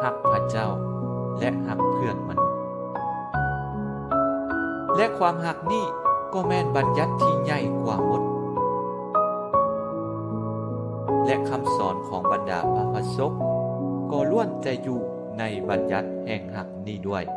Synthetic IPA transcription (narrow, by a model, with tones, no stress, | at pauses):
ha˧˥k̚pʰa˧t͡ɕa˥˨wlɛ˧ʔha˧˥k̚pʰɯ˧˩ənma˧nu˦˥t̪̚ | lɛ˧˥ʔkʰwaː˧˥mɦa˧k̚niː˥˩kɔː˧˩mɛː˧nba˨˧˦nja˧˥t̪ʰːiː˧˩ɲa˧˩jkʰwaː˧˩mo˧˦t̪̚ | lɛ˧ʔkʰa˧msɔ̰ː˨˦nkʰɔ̰ː˨˦ŋba˨˦nda̰ː˨˩˦pa˨˧pʰːa˧so˦˥k̚kɔː˧˩lu˧˩ənt̪ɛː˧juː˧˩ | na˧˥jba˨˦nja˧˦t̪̚hɛː˨˩ŋha˧˩k̚niː˧˥˩du˥˩əj